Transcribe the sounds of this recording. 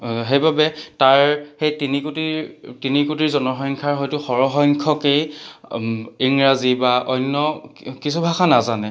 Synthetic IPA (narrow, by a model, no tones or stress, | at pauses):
ɦejbabɛtaɹxejtinikutitinikutiɹzɔnɔxɔjŋkʰaɹɦɔjtʊxɔɹɔxɔŋkʰɔkej | iŋɹazibaʔɔjnːɔkisubʱaxanazanɛ